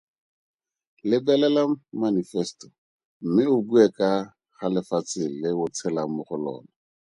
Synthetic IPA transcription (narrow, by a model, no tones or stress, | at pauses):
lɪbɛlɛlamanifɛstɔ | m̩mɪʊbuɛkʼa | χalɪfat͡sɪlɪʊt͡sʰɛlamʊχʊlɔ̰ːna